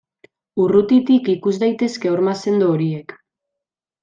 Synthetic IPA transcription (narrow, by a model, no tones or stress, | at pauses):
urut̪it̪ikikuzd̪ajt̪e̞ske̞oɾmase̞nd̪ooɾiek